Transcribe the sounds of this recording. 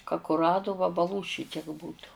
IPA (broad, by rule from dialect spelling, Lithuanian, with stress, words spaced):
kɐ kʊˈrɑːdoː ʋɐbɐˈlˠuː ˈʃʲɪtʲiɛk ˈbuːtʊ